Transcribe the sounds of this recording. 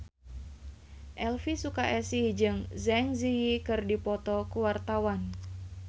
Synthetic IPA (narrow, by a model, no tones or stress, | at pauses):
ʔɛlfisukaʔɛsid͡ʒɨŋzɛŋzijikɨrdipɔt̪ɔkuwart̪awan